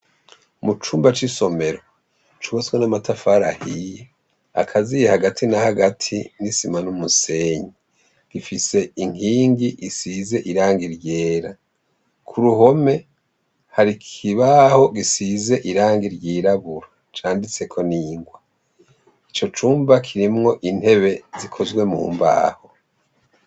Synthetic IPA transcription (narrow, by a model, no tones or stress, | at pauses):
mut͡ʃuːmbat͡ʃiso̞me̞ɾo̞ | t͡ʃuβaswonamatafaɾahije | a̰kʰazijehaɡatʰinahaɡatʰinisimanumuse̞ːɲi | ɡ̥ifise̞iŋ̥iːŋɡiʔisize̞ʔiɾaːŋɡiɾje̞ːɾa | kʰuɾuɦo̞me̞ | haɾikʰiβaho̞ɡisize̞ʔiɾaːŋɡiɾjiːɾaβuɾa | t͡ʃaːndit͡se̞kʰo̞niːŋɡwa | it͡ʃo̞t͡ʃuːmbakʰiɾimŋo̞ʔin̥he̞βe̞zikʰo̞zwe̞mṵːmba̰ːho̞